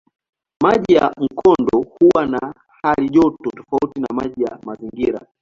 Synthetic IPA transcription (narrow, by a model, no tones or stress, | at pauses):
maʄija̰m̩kʰɔndɔhuwana | haliʄɔtɔtɔ̥fautina̰maʄija̰maziŋɡiɾa̰